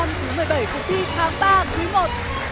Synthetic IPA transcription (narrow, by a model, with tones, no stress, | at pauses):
a˧mt̪ɨ˨˦mɨ˨˩əjɓa˧˩jkʊ˧˩t̪i˧t̪ʰaː˨˦ŋɓaː˧t̪ʰɨ˨˦mo˨˩t̚